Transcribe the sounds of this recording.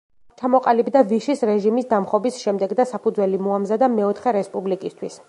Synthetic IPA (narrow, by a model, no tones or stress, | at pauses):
t͡ʃʰamɔqʼalibd̪aviʃisɾɛʒimisd̪amχɔbisʃɛmd̪ɛɡd̪asapʰud̪zwɛlimɔamzad̪amɛɔt̪ʰχɛɾɛspʼublikʼist̪ʰwis